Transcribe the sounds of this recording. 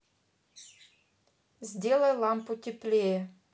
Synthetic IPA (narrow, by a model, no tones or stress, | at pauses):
zʲdʲelˠəjlˠɑmputʲɪplʲee